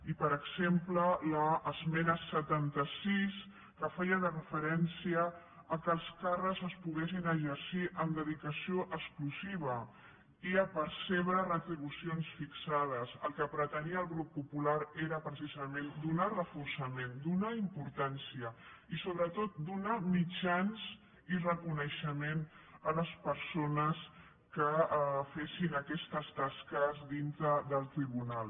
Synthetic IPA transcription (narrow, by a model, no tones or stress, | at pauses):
ipəɾəɡz̥emplələːzmɛnəsət̪ant̪əsis | kəfɛjəðərəfəɾɛnsiəː | kəlˠskarəzəspuɣesinəʒəɾsiʔəmd̪əðikəsioʔəkskluziβ̞ə | iəpəɾseβ̞ɾərət̪ɾiβusionsfiksað̞əsəlˠkəpɾət̪əniəːlˠɣɾupːupulaɾeɾəpɾəsizəmend̪unarəfuɾsɐmend̪unaimpuɾt̪ansiəisoβɾət̪ot̪̚d̪unamid͡ʒanz | irəkunəʃəmenələspəɾsonəs | kəfesinəkɛst̪əst̪askəzd̪int̪ɾəðəlˠt̪ɾiβ̞unalˠ